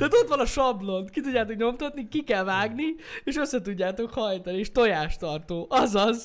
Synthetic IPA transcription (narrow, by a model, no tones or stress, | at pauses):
t̪aːt̪o̞t̪ʋɒnɒʃɒblo̞nkit̪udɟːaːt̪o̞kɲo̞mt̪ɒt̪nikikɛlvaːɡnieːʃø̞sːɛt̪uɟːaːt̪o̞khɒjt̪ɒnieːʃt̪o̞jaːʃt̪ɒrt̪oːʔɒzɒz